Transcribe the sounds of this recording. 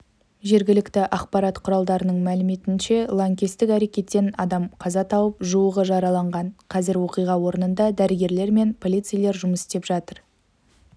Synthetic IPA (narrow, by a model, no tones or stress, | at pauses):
ʒe̞ɾɡʲɪlɪkt̪ɪʔɑqpɑɾɑt̪qʰʊɾɑlˠd̪ɑɾənəɴmælɪme̞t̪ɪnʃe̞lˠoŋkʲest̪ɪkæɾe̞kʲe̞t̪ːe̞nɑd̪ɑmqʰɑzɑt̪ʰɑwəpʒuwəʁəʒɑɾɑlˠɑɴʁɑnqʰɑzɪɾwo̞qijʁɑwo̞ɾənənd̪ɑd̪æɾɪɡʲe̞ɾle̞ɾme̞npʰo̞lʲˠijt̪sɨjlˠe̞ɾʒʊməsɪst̪e̞pʒɑt̪əɾ